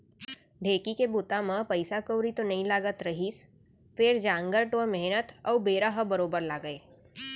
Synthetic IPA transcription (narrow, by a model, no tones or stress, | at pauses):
ɖʱeːkikebʊt̪amə̃pɐɪsakəwɾit̪onɐɦĩlaːɡət̪ɾɐɦiːs | fɪɾd͡ʒãːŋɡəɾʈoːɾmɛɦnət̪ɔːbeːɾaɦəbɐɾoːbəɾlaːɡəeː